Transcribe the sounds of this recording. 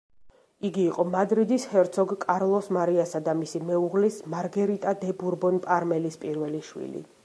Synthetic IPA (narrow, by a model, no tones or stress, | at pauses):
iɡiːqʼɔmad̪ɾid̪ishɛɾt̪sʰɔɡkʼaɾlˠɔsmaɾiasad̪amisimɛuʁlismaɾɡɛɾit̪ʼad̪ɛbuɾbɔnpʼaɾmɛlispʼiɾvɛliʃwḭlḭ